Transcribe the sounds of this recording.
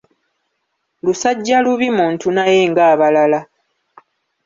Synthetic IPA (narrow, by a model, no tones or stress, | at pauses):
lusaɟːaluβimuːntunaje̞ːŋɡaːβalala